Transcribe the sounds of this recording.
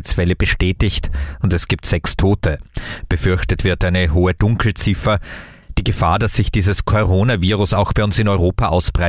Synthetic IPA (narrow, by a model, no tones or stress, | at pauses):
t͡ssfɛləb̥əʃtɛːtɪçtʊntɛsɡ̥iːp̚tz̥ɛkstʰoːtəb̥əfʏɐçtətv̥ɪɐtʔaɪnəɦoːəd̥ʊŋkʰl̩t͡sɪfɐ | d̥iːɡəfa̰ːɐdasz̥ɪçd̥iːzəskʰoʁoːnaviːʁʊsaʊxb̥aɪʊnsɪnɔʏʁoːpaʔaʊsb̥ʁaɪ